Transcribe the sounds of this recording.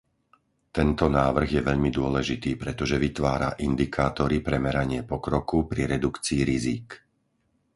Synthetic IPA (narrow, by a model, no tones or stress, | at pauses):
t̪ɛnt̪ɔnaːʋr̩ɣjɛʋɛʎmid̪ʊɔlɛʒit̪iːpɾɛt̪ɔʒɛʋit̪ʋaːɾa̰ʔind̪ikʰaːt̪ɔɾipɾɛmɛɾaɲɪɛpɔkɾɔkupɾiɾɛd̪ukt͡siːɾizik